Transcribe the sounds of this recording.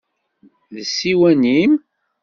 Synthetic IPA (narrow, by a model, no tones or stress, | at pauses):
ðəsːiwænim